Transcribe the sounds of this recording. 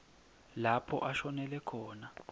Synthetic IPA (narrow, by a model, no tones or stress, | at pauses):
lapʰɔ̰ʔaʃɔnɛlɛkʰɔːna